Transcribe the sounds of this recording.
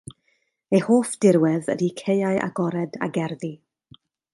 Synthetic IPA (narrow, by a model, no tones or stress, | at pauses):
ehoːfd̥ɪɾwɛðə̰dikʰejaɨʔa̰ɡɔɾɛda̰ɡɛrði